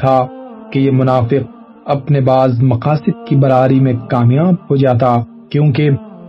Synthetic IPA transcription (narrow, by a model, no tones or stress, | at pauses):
t̪ʰakejemʊnaːfɪq̚ | ɐpnebaːzmɐqaːsɪd̪̚kibɐɾaːɾimẽkaːmjaːb̚hod͡ʒaːt̪a | kjõːke